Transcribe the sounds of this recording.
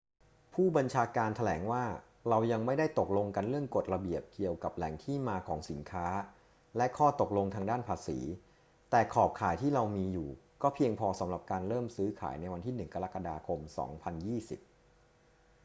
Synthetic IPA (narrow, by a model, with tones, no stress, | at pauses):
pʰuː˥˩ba˧nt͡ɕʰaː˧kaː˧nt̪ʰa˧lɛː˩˦ŋwaː˥˩ | ɾa˧wja˧ŋma˥˩jda˥˩jt̪o˨˩k̚lo˧ŋka˧nɾɯ˥˩əŋko˨˩t̪̚ɾa˧bi˨˩əp̚ki˨˩əwka˨˩p̚lɛ˨˩˦ŋt̪ʰiː˥˩maː˧kʰɔː˩˦ŋsi˩˦nkʰaː˦˥ | lɛ˦˥kʰɔː˥˩t̪o˨˩k̚lo˧ŋt̪ʰaː˧ŋdaː˥˩npʰaː˧sḭː˩˦ | t̪ɛː˨˩kʰɔː˨˩p̚kʰaː˨˦jt̪ʰiː˥˩ɾa˧wmiː˧juː˨˩kɔː˥˩pʰi˧əŋpʰɔː˧sa˩˦mɾa˨˩p̚kaː˧nɾɤː˥˩msɯː˦˥kʰa̰ː˩˦jna˧jwa˧nt̪ʰiː˥˩nɯ˨˩ŋka˧ɾa˦˥kːa˧daː˧kʰo˧msɔ̰ː˩˦ŋpʰa˧njiː˥˩si˨˩p̚